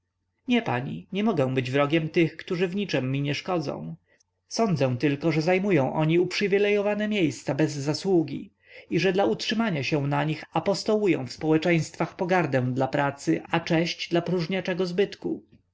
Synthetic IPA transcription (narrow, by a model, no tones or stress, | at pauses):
ɲɛpa̰ɲḭɲɛmɔɡɛ̃w̃bɘd͡ʑvɾɔɡʲɛmt̪ɘxkt̪uʐɘvɲit͡ʂɛmːiɲɛʂkɔd̪zɔ̰̃w̃ | sɔnd̪zɛw̃t̪ɘlkɔʐɛzajmujɔ̃w̃ʔɔɲiupʂɘvʲilɛjɔvanɛmʲjejst̪sabɛzːaswuɡʲḭ | iʐɛd̪lautʂɘmaɲaɕɛw̃naɲixapɔst̪ɔwujɔ̰̃w̃fspɔwɛt͡ʂɛj̃st̪faxpɔɡaɾd̪ɛ̃w̃d̪lapɾat̪sɘat͡ʂɛɕt͡ɕd̪lapɾuʐɲat͡ʂɛɡɔzbɘt̪ku